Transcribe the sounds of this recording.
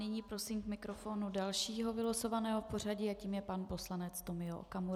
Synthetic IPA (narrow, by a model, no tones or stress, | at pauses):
nɪɲiːpɾo̞siːmkmɪkɾofo̞ːnudalʃiːɦo̞vɪlosovanɛːɦofpo̞r̝aɟɪaciːmjɛpanpo̞slanɛt͡st̪o̞mɪoʔo̰kamuɾ